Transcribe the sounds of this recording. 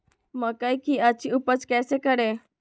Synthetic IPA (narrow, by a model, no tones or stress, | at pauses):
məkajkiat͡ɕiupət͡skɛsekəɾe